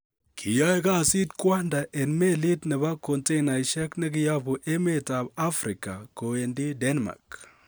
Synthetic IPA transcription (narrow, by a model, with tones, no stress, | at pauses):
kʰi˨jɔ˦jka˦˨si˦tkwa˦nda˨ʔe˨nme˦li˦tnɪ˨ba˦ko˨nte˦na˨jʃɛ˦knɪ˦kɪ˨ja˦bu˨ʔe˦me˦ta˨ba˦fɾi˨ka̰˨ko˨e˨ndi˦de˦nma̰˨k